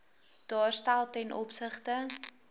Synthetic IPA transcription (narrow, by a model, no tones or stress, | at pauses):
d̥ɑːrstælˠtɛnʔɔpsəχtə